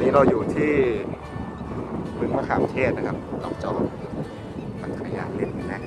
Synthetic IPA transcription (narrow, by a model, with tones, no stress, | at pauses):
niː˦˥ɾa˧wjuː˨˩t̪ʰiː˥˩ | pʰɯ˦˥nma˦˥˩kʰaː˨˩mt̪ʰeː˥˩t̪̚na˦˥kʰa˦˥p̚lɔ̰ː˨˩k̚t͡ɕɔː˧˩ | pa˨˩nkʰa˧˦ja̰ː˧˩le˥˩t̚ma˨˧˩na˦˥ʔ